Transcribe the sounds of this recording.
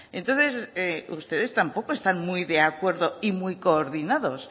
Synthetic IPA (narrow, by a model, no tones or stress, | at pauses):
ḛ̃nt̪o̞nθe̞seust̪e̞ðe̞st̪ampo̞koest̪anmujðe̞akwe̞ɾðo̞imujko̞ːɾðinaðo̞s